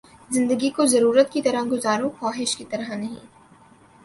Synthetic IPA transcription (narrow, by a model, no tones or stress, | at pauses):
zɪ̃nd̪əɡikozɐɾuːɾət̪̚kit̪ɐɾəɡʊzaːɾõxɔːɦɪʃkit̪ɐɾəɦnɐɦḭ̃